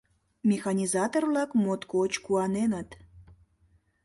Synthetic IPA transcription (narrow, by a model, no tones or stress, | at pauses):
mʲexɑnʲizɑt̪orlɑkmot̪kot͡ɕkuɑnenət̪